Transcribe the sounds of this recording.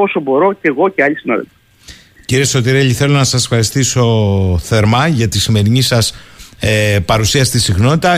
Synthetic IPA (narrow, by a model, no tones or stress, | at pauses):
o̞sobo̞ɾo̞ceɣo̞ceɐʎisinɐðḛlfi̥ | ciɾieso̞t̪iɾeʎiθe̞lo̞nɐsɐsefxɐɾist̪iso̞θe̞ɾmɐʝɐt̪isime̞ɾinisɐsepɐɾusiɐsi̥t̪isiɣno̞t̪it̪ɐ